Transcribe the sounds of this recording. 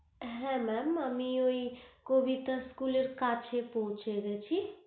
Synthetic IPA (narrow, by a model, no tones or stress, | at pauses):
ɦɛ̃mɛməmioikobʱit̪ə̃skuleɾkat͡ʃʰepoɦũt͡ʃeɡet͡ʃʰi